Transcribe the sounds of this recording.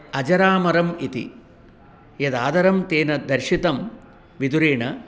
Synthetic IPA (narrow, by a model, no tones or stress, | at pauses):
ɐd͡ʒɐɾaːmɐɾɐmit̪ḭ | jɐd̪aːd̪ɐɾɐmt̪eːnɐd̪ɐɾʂit̪ɐm | ʋid̪uɾeːɳɐ